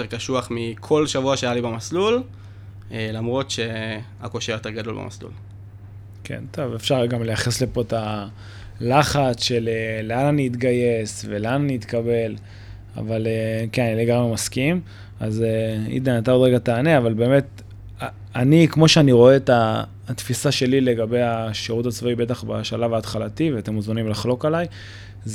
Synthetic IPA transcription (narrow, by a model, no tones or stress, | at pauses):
ʁkaʃuaχmikʰo̞lʃavuaʃeajalibemaslul | elamʁo̞tʃe̞akoʃeajot̪eʁɡado̞lbḛma̰slṵl | kʰe̞̰nt̪o̞vefʃaʁɡamle̞jaχesle̞po̞ta | laχat͡sʃe̞leleananiːt̪ɡaje̞sve̞lananiːt̪kabe̞l | a̰valekenanileɡamʁemaskim | azeḭd̪anat̪aodʁeɡataːneavalbe̞ːme̞t̪ | a | anikmo̞ʃeaniʁo̞eta | t̪fisaʃe̞lile̞ɡabe̞jaʃeʁutat͡svoibe̞taχbaʃalavaːt̪χalat̪iveat̪emuzmanimlaχlo̞kalaj | z